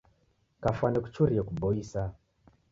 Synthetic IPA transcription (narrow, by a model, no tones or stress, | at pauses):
kafwanɛku̥t͡ʃuɾiɛkubɔisa